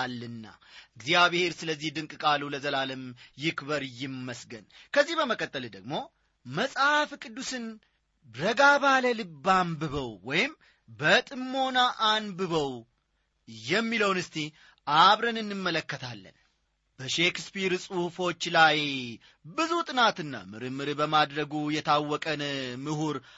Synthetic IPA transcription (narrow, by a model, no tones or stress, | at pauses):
lːɨnːa̰ʔɨɡzjaβhe̞ɾsɨləzːihd̪ɨŋkʼkʼaluləzəlaləmjɪkbəɾjɪmːəsɡə̰nkʰəzːihbəməkʼət̪ʼːəld̪əɡ̚mo̞ | məsʼhafkʼɨd̪ːusɨn | ɾəɡaβaləlɨbːambɨβəwwɔjɪm | bət̪ʼɨmːo̞naʔanbɨβəw | jɛmːiləwnɨst̪ʰi | ʔaβɾənɨnːɨmːələkːət̪ʰalːə̰n | b̥əʃe̞kspiɾsʼuhfo̞t͡ʃːlaj | bɨzut̪ʼɨnat̪ɨnːa̰mɨɾɨmːɨɾbəmad̪ɾəɡujɛt̪ʰawːɔkʼənmɨhuɾ